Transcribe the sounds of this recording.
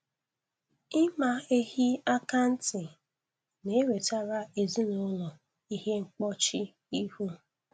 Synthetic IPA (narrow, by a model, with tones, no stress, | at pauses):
ɪ˦ma˨e˦hi˦a˦ka˦n̩˦tɪ˨ | ne˨˦we˨ta˦ɾa˦e˨zi˦nʊ˦lɔ˨ | i˦ɦe˦ŋ͡m̩˦k͡pɔ˦t͡ʃɪ˦ | i˦hu˦